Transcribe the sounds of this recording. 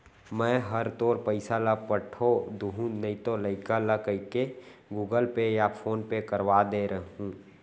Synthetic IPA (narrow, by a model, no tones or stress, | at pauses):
mɛ̃ːɦəɾt̪oːɾpəɪsaləpəʈʰod̪uɦũnəit̪oləɪkaləkəɪkeɡuːɡəlpejapʰoːnpekəɾwad̪eɾəɦũː